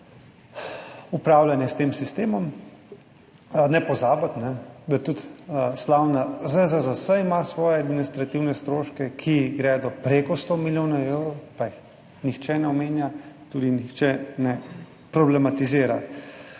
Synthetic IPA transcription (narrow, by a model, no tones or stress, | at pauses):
upɾaːwljanjɛst̪eːmsist̪eːmɔm | nɛpɔzaːbat̪nɛd̪at̪ut̪slawnazəzəzəsəimasʋɔːjɛad̪minist̪ɾat̪iwnɛst̪ɾoːʃkɛkʰiɡɾɛd̪ɔpɾeːkɔst̪omiljoːnaewɾɔwpajix | nixt͡ʃɛnɛɔmeːnjat̪uːd̪inixt͡ʃɛnɛ | pɾɔblɛmat̪iziːɾa